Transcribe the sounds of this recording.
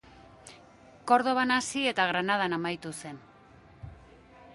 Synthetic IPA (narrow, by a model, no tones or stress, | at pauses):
ko̞ɾðo̞βanasie̞t̪aɣ̞ɾanað̞anamajt̪use̞n